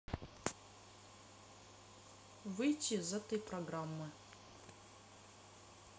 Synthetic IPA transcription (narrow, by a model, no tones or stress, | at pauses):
vɨjtʰʲizɛt̪əjprɐɡramːɨ